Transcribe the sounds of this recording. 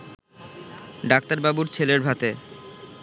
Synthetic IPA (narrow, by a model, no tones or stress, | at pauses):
ɖak̚t̪aɾbabuɾt͡ɕʰeleɾbʱat̪e